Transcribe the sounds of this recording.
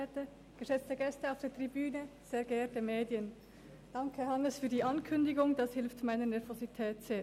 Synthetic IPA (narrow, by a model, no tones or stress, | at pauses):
tə | ɡ̥əʃɛt͡stəɡɛstəaʊfd̥eːɐtʁ̥ibyːnəz̥eːɐɡəɛːtəmeːdjən | d̥ɑŋkʰəhɑnəsfyːɐdiːʔɑnkʰʏndɪɡʊŋdɑshɪlftmaɪnənɛɐvozitʰɛːtseː